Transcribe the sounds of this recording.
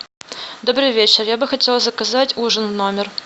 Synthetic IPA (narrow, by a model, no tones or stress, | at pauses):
d̪o̞bɾɨjvʲet͡ɕɪrjabɨxɐtʲelˠzəkɐzatʲuʐənno̞mʲɪr